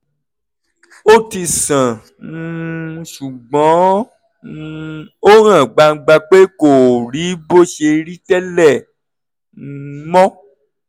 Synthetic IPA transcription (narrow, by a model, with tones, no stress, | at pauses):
o˦ti˧sã˨˦ | ʃu˨ɡ͡bɔ̃˨˦ | o˦ɾ̃ã˦˨ɡ͡ba˧ŋ̩˧ɡ͡ba˧k͡pe˦ko˨ɾi˨˦bo˦ʃe˧ɾi˦tɛ˦lɛ˦˨˦ | mɔ̃˦